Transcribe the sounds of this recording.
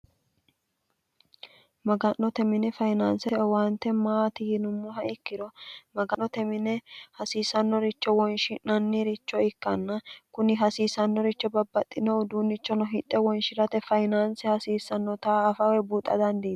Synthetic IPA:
mɐɡɐnːɔt̪ɛmɪnɛfɐjnaːnsɛwant̪ːɛmaːt̪ɪjɪnʊmːɔɦɐɪkːɪd̪ɔmɐɡɐɔt̪ɛmɪnɛhɐsiːsɐnːɔɾɪt͡ʃːɔwɔnʃɪnnɐnːɪɾɪt͡ʃːɔɪkːɐnːɐkʊnɪɦɐsiːsɐnːɔɾɪt͡ʃːɔbɐbːɐt̪ʼːɪnɔwd̪uːnːɪt͡ʃːɔnɔɦɪt̪ʼːɛwɔnʃɪɾɐt̪ɛfɐjnaːnsɛhɐsiːsːɐnːɔt̪aːɐfɐwɛbuːt̪ʼːɐ̰d̪ɐnd̪i

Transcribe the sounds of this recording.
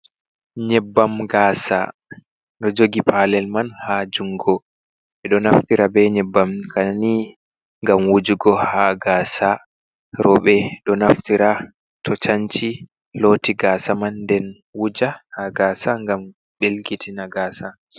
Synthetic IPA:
ɲɛbːamɡaːsa̰ | ɗɔd͡ʒoɡipalɛlmanhad͡ʒuŋɡɔ | ɛɗɔnaftiɾabɛɲɛbːamkʰani | ŋɡamwud͡ʒuɡɔhaɡaːsa | ɾɔɓɛɗɔnaftiɾa | tʰɔt͡ʃaɲt͡ʃi | lotiɡaːsamanːdɛn | wud͡ʒahaɡaːsaŋɡam | ɓelɡitʰinaɡaːsa

